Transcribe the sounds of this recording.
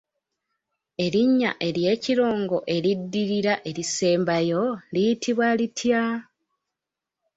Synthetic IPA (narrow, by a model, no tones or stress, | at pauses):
e̞ɾiɲːa̰ʔe̞ɾje̞ːciɾo̞ːŋɡo̞ʔe̞ɾidːiɾiɾaʔe̞ɾise̞ːmbajo̞lijitʰiβwalitʰja